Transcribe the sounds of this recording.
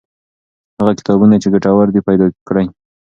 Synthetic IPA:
haɣakɪ̥t̪ɑbunat͡ʃeɡaʈawaɾd̪ipajd̪ɑkɽaj

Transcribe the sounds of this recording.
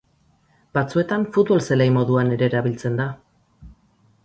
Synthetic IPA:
bat͡sue̞t̪aɱfut̪βo̞lselejmo̞ðuane̞ɾe̞ːɾaβilt͡se̞nd̪a

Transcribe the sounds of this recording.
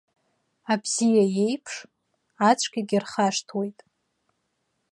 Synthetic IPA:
abz̥ijaje̞jpʰʂ | at͡ʃʷʰʼɡʲiɡʲirχaʂtʰwe̞jtʼ

